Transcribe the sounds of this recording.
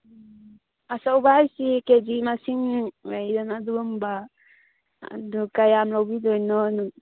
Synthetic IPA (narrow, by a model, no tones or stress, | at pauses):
asawbajsiked͡ʒimasiŋɾajdanadumba | a̰dukajamɾɔwbidɔjnɔnu